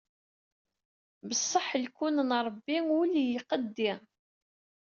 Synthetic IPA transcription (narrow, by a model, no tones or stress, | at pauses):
bəsˤːəħəlkunənɾˤbːiuljiqəd̪ːɪ